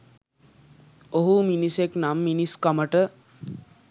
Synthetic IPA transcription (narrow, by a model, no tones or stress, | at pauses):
oɦuminiseknamːiniskaməʈə